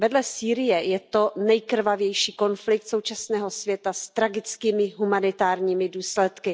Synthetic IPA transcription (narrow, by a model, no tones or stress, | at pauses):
vɛdlɛsiːɾɪjɛjɛt̪o̞nɛjkr̩vavjɛjʃiːko̞nflɪk̚t̪so̞wt͡ʃasnɛːɦo̞svjɛt̪ast̪ɾaɡɪt͡skiːmɪɦumanɪt̪aːɾɲiːmɪduːslɛt̪kɪ